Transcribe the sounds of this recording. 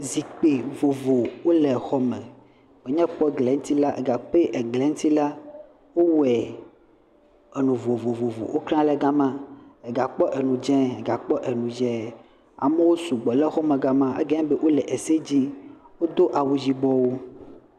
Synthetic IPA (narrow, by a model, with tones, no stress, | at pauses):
zi˨k͡pe˨vo˨vo˨wo˦lɛ˨xɔ˦mɛ̃˨ | we˨ɲɛ̃˦k͡pɔ˦ɡlɛ˨ŋ̩˦t̪i˦la˦ʔe˨ɡa˨k͡pe˦ʔe˨ɡlɛ˨˦ŋ̩˦t̪i˦la˦ | wo˦wɛ˨ | e˨nũ˨vo˨vo˨vo˨vo̰˨wʔo˦kɾã˦lɛ˦ɡa˦mã˦e˨ɡa˨k͡pɔ˦ʔe˨nũ˨d͡ʒɛ̃˦e˨ɡa˨k͡pɔ˦ʔe˨nũ˨d͡ʒɛ˦ | a̰˨me˦wo˦su˨ɡ͡bɔ˨lɛ˦xɔ˦mẽ˨ɡa˦mã˦ʔḛ˦ɡɛ̃˦be˦wʔo˦lɛ˨ʔe˨se˦d͡ʑi˦wo˦d̪o˦ʔa˨wu˨d͡ʑi˦bɔ˦wo˦